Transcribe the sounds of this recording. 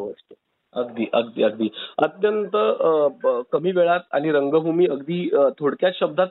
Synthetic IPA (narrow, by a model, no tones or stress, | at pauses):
ə̰st̪o̥ | əɡd̪iːʔəɡ̚d̪ḭːəɡd̪iːət̪jənt̪ə | kəmiːʋeɭat̪a̰ɽ̃iɾəŋɡəbʱumiːəɡd̪iːt̪ʰoɽkjat͡sɕəb̚d̪ʱat̪